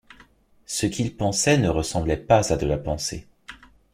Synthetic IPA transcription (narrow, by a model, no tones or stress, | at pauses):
səkʲilpɑ̃sɛnəʁəsɑ̃blɛpazad̪əlapɑ̃sḛ